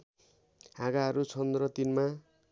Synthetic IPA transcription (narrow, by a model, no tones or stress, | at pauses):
ɦaɡaɦʌɾut͡sʰʌnd̪rʌt̪inma